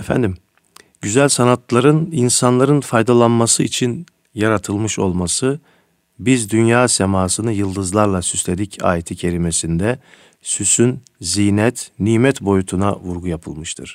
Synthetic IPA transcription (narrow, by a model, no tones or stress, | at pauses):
ɛfæ̰nd̪im | ɟyzælʲsanat̪lˠaɾɯninsanlˠaɾɯnfajd̪alˠanmasɯit͡ʃʰin | jaɾat̪ʰɯlˠmɯʃo̞lˠmasɯ | bizd̪ynjaːsemaːsɯnɯjɯlˠd̪ɯzlˠaɾlˠasyslʲe̞d̪icʰa̰ːjet̪ʰicʰe̞ɾime̞sind̪ɛ | sysyn | zijnɛt̪niːmɛt̪bo̞jut̪ʰunavuɾɡujapʰɯlˠmɯʃt̪ʰɯ̰ɾ̥